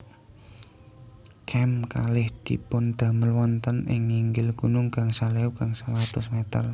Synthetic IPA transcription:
kʰɛmkalɪhd̪̥i̤̰pʊnd̪̥a̤məlwɔnt̪ənɪ̰ŋːiŋɡɪlɡ̥unʊŋkaŋsaleukaŋsəlat̪ʊsmet̪ə̰r

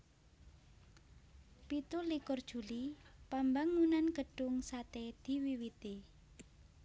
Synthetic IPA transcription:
pit̪ulikʊrd̥ʒ̥ṳlipambaŋːunanɡ̥ə̤ɖ̥ʊŋsat̪ed̪̥i̤wiwit̪e

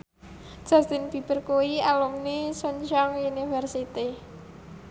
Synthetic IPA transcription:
d̥ʒ̥a̤st̪ɪnb̥i̤b̥ərkoialumnesɔɲt͡ʃɔŋunifɛrsit̪i

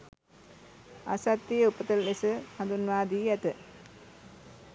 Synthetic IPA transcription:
a̰sat̪ːijəupət̪əllesəhand̪unʋaːd̪iːɛt̪ə

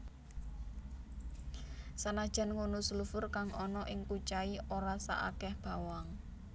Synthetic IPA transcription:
sanad̥ʒ̥a̤nŋonusulufʊrkaŋɔnɔʔɪŋkut͡ʃaiʔoɾasa̰ʔa̰kɛhb̥a̤waŋ

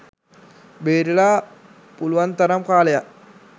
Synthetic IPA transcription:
beːɾilaː | puluʋant̪ɐɾɐmkaːleja

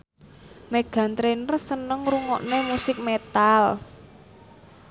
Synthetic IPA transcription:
meɡ̥a̤nt̪ɾenərsənəŋɾuŋɔ̰ʔnemusɪk̚met̪al

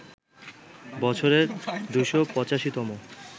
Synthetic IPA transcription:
bɔt͡ɕʰoɾeɾd̪ujʃopɔt͡ɕaʃit̪ɔmo

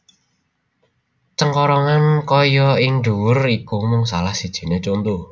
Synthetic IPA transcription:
t͡ʃəŋkɔɾɔŋankɔjɔɪŋɖuwʊrikumʊŋsalahsid̥ʒ̥i̤net͡ʃont̪u

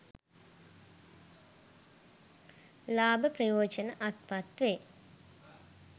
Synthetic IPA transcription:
laːbəprɐjoːd͡ʒənəʔat̪pat̪ʋe

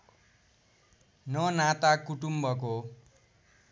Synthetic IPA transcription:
nʌnat̪akuʈumbʌk̬o

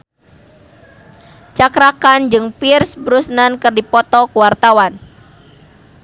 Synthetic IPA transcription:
t͡ʃakɾakand͡ʒɨŋpɪrsbɾusnankɨrdipɔt̪ɔkuwart̪awan

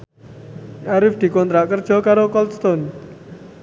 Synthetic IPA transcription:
ʔaɾɪfd̪̥i̤kɔnt̪ɾaʔkərd̥ʒ̥ɔ̤kaɾokɔlst̪ɔn

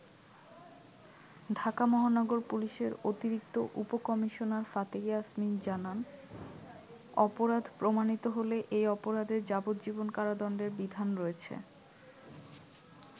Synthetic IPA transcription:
ɖʱakamɔɦanɔɡoɾpuliʃeɾot̪iɾik̚t̪oʔupokɔmiʃonaɾfat̪eɡeasmind͡ʑanan | ɔpoɾad̪ʱpɾomanit̪oɦoleʔejɔpoɾad̪eɾd͡ʑabot̪d͡ʑibonkaɾad̪ɔɳɖeɾbid̪ʱanɾoet͡ɕʰḛ

